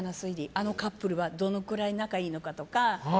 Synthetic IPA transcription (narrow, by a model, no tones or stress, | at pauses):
nasɨiɾʲiʔano̞kapːɯ̟ɾɯ̟βad̪o̞no̞kɯ̟ɾainakaiːno̞kat̪o̞ka